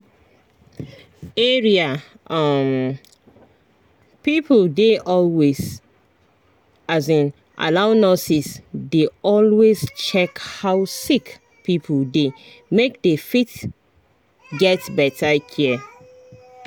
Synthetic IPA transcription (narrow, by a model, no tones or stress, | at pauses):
eɹia | ʔʌm | pipʰldeʔɔlwez | azĩn | ʔa̰laʊnɔsisdeɔlwezt͡ʃɛkhaʊsik | pipʰlde | mek̚defit | ɡɛtbɛtʰakʰiə